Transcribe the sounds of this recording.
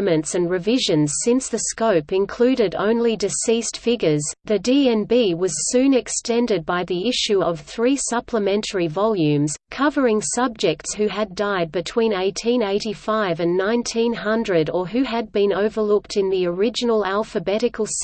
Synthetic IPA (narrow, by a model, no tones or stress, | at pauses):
mɨ̃ntsɨ̃nɹɨvɪʒɨ̃nz̥sɪ̃nsðɨskoʊpɨ̃nkʰl̥ʉɾɨɾõ̰ʊ̃nlidɨsistfɪɡjə˞zðɨdiɛ̃nbiwʌz̥sʉ̃nɨkstɛ̃ndɨd̚baɪðiɪʃʉʌv̥θɹisʌpʰləmɛ̃ntʰə˞ivɑlˠjʉ̃mz̥kʰʌvə˞ɪ̃ŋsʌb̚d͡ʒɨk̚tshʉɨdaɪd̚bɨtʰw̥ĩneɪtʰĩneɪɾifaɪvɨ̃nːãɪ̃ntʰĩnɦʌ̃ndɹɨɾə˞ɦʉɨd̚bɨ̃noʊvə˞lʊk̚tʰɨ̃nðiə˞ɪd͡ʒɨnl̩ˠælˠfəbɛɾɨkʰl̩ˠs